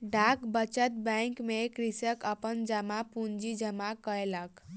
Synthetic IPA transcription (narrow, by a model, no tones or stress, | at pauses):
ɖʱakbət͡ʃət̪̚bə̃ŋkmekɾisəkəpənd͡ʒəmapund͡ʒid͡ʒəmakəelak